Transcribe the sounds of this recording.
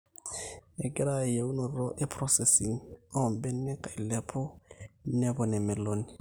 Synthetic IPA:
ɛ˨ɡɪ˦ɾa˨je˨u˦no˨ɾɔ˦ʔe˦pʰɾɔ˦sɛ˨si˨ŋɔ˦˨mbɛ˦nː˦ɛ˦ka˨i˨lɛ˦pʰɔ˦nɛ˦bɔ˨nɛ˨mɛ˨lo˦ni˨

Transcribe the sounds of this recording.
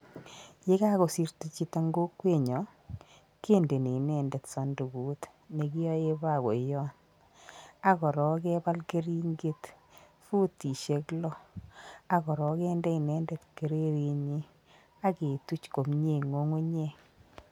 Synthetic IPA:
je˦ka˦ko˨si˦rtu˨t͡ʃi˦ta˦ŋɡo˦kːwe˦˨ɲɔ˨ | ke˦˨nde˨ne˨nɛ˨ndɛ˨tsɔ˨ndu˨ɡuː˨˦t | ne˨ki˦ɔ˦je˦ba˦˨ko˨jɔ˦n | a˦kɔ˨ɾɔ˨kɛ˦ba˦lke˦ɾi˦ŋɡe˦t | fu˦ti˨ʃe˨klɔ˦ | a˦kɔ˨ɾɔ˨kɛ˦ndɛ˦i˨nɛ˦ndɛ˨tke˨ɾe˦ɾi˨ɲi˦ | a˦ke˨tu˦t͡ʃko˨mɲe˦˨ŋo˦ŋo˦ɲe˦

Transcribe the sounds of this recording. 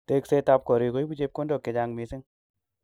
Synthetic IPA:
te˧kse˦ta˧p̚ko˨ɾi˨˧ko˨˦i˦bu˦d͡ʒe˦˧p̚ko˦ndɔ˨kːɪ˨d͡ʒa˧ŋmi˨˧sɪ˦ŋ

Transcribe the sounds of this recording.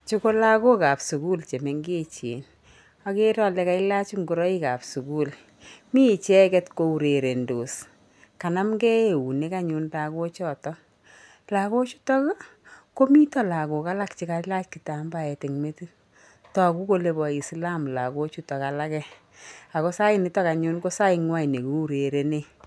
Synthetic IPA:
t͡ʃu˦ko˦la˦ko˦ka˨psu˨ku˦lt͡ʃe˨me˦ŋɡe˦t͡ʃḛ˨n | a˨ke˦ɾɔ˦lɛ˨ka˦ɪ˦la˦t͡ʃu˦ŋɡu˨ɾɔ˦i˦ka˨psu˨ku˦l | mi˦˨t͡ʃɛ˦kɛ˦tko˦u˨ɾe˨ɾe˨ndo˨s | ka˨na˦mɡɛ˦e˨u˨ne˦ka˦ɲʊ˦nda˨ko˦t͡ʃɔ˦˨tɔ˦ | la˨ko˦t͡ʃu̥˦tɔ˦kko˦mi˦tɔ˦la˨ko˨ka˦la˦kt͡ʃi˨ka˨˦la˦t͡ʃki˨ta˨mba˨ɛ˨te˨ŋme˦ti˦ | tɔ˨ku˦ko˦le˨bɔ˨i˨sla˦mla˨ko˦t͡ʃu˦tɔ˨ka˨la˦kɛ˦ | a˨ko˦sa˦ɪ˦ni˦tɔ˦ka˨ɲʊ˦nko˦sa˦ɪŋwa˦i˨ne˨ko˨˦u˦ɾe˨ɾe˨ne˦

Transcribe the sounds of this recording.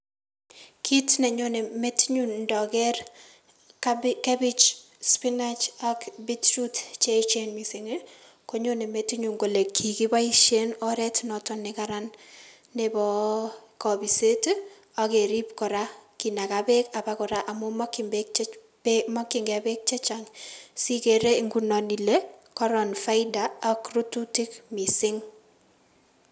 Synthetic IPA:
kʰi˦tnɛ˨ɲo˦ne˨me˦tiɲunndɔ˨kɛ˦r | kɛ˦bi˦t͡ʃ | spi˦nat͡ʃakbi˦tt͡ʃutt͡ʃe˦it͡ʃe˦nmi˨si˨ŋi | ko˦ɲo˦ne˨me˨ti˦ɲuŋɡo˨le˨kʰːi˨ki˦ba˦iʃe˦nɔɾɛ˦tnɔtɔnɪ˨kaɾanː | ebɔ˨kɔ˨bi˨se˦t | a˦ke˨ɾi˦pkɔ˨ɾa˦ki˨na˨kabe˦ka˨pa˦kɔ˨ɾa˦ʔa˨mo˦mɔ˦kɪmbek̚ | mɔ˦kːɪ˨ŋɡɛ˨bɛ˦k̚t͡ʃe˦t͡ʃa˨ŋsi˦ke˨ɾe˦i˨ŋɡu˦nɔ˨ni˨le˦kɔ˦ɾɔ˨nfa˦ɪdaː˦kru˦tu˦ti˦kmi˨sɪ˦ŋ

